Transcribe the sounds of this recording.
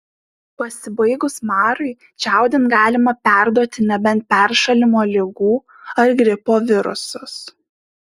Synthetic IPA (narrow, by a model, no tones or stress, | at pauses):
pɐsʲɪbɐɪɡʊsmɑːɾɐɪ | t͡ʃʲæˑʊd̪ʲɪnɡɑːlʲɪmɐpʲæˑɾd̪uɔt̪ʲɪnʲɛbʲɛnt̪̚pʲɛɾʃɐlʲɪmoːlʲɪɡuː | ɐɾɡɾʲɪpoːʋʲɪɾʊ̰sʊs